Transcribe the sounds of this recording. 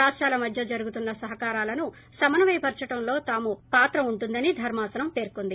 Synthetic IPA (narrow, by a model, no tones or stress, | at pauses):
aːʂʈaːlɐmɐd̪ʱjɐd͡ʒɐɾuɡut̪unːɐsɐɦɐkaːɾaːlɐnu | sɐmɐnɐʋɐjpɐɾt͡ʃɐʈɐmlo̞ːt̪aːmupaːt̪ɾɐmuɳʈund̪ɐnid̪ʱɐɾmaːsɐnɐmpe̞ːɾkond̪i